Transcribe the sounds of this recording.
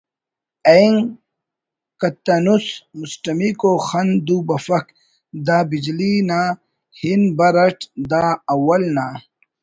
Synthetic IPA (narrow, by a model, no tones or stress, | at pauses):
ɐiŋ | kɐt̪ːɐnusmusʈɐmikoːxɐnd̪ubɐfɐk | d̪aːbid͡ʑlinaː | hinbɐɾɐʈd̪aːɐwɐlnaː